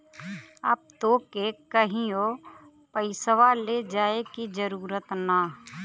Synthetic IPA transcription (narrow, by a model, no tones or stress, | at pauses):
ə̰p̚t̪okekəɦĩo | pəɪsəʋaled͡ʒaːekid͡ʒəɾuːɾət̪na